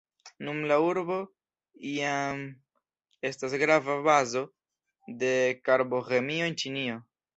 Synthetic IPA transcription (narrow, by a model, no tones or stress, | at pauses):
numlauɾbo̞ | iam | e̞stas̬ɡɾavabazo̞ | de̞kaɾbo̞ɣe̞mio̞ent͡ʃinio̞